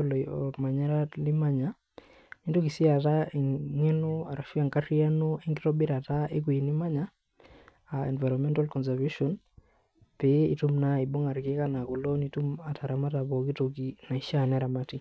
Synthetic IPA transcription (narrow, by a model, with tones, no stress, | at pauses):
ɔlɔ˨ma˨ɲɛ˦ɾa˦li˦ma˦ɲa | nito˦ki˨si˦a˨ta˨ŋɛ˦no˦a˨ɾa˨ʃi˦a˨ŋkari˦a˦no˦e˦ŋɡi˦tɔ˦bi˦ɾa˨ta˦e˦k̬u˨i˨ni˦ma˦ɲaː˨ | ɛ̰˨nva˨jɾɔmɛ˦ntalkɔ˨ns̬avuʃɔn | pe˨i˨tu˦mnai˨bo˦ŋa˨ɾki˦ka˦na˨ko˨lɔ˦ni˦tu˦ma˨tʰa˨ɾa˨ma˦tabɔ˨ki˦toki˨na˨i˨ʃanɛ˦ɾa˨mati